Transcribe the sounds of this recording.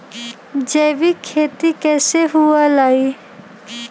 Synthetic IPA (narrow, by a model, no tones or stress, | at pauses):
d͡ʒɛʋikʰet̪ikɛseɦualai